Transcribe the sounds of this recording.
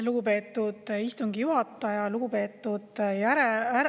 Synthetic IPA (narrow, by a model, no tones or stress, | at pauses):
luɡ̥upe̞ːt̪ːˑud̪̥ist̪uŋɡijuhɑt̪ˑːɑjɑluɡ̥upe̞ːt̪ːˑud̪̥jæɾeæ